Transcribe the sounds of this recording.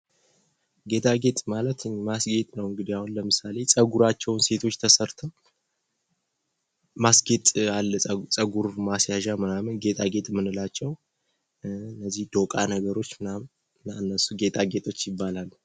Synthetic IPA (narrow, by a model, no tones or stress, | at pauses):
ɡe̞t̪ʼʰaɡe̞t̪ʼmalət̪ɨɲːmasɡe̞t̪ʼnəwɨŋɡɨd̪iahunləmɨsale̞sʼəɡuɾat͡ʃːɛwnse̞t̪ʰo̞t͡ʃːt̪ʰəsəɾt̪ʰo | masɡe̞t̪ʼalːət͡sʼəɡuɾmasjaʒamɨnamɨnɡe̞t̪ʼʰaɡe̞t̪ʼmɨnɨlat͡ʃːɛw | ɨnːəzːihd̪̥o̞kʼanəɡəɾo̞t͡ʃːɨnam | naɨnːəsuɡe̞t̪ʼaɡe̞t̪ʼo̞t͡ʃːjɪbːalalː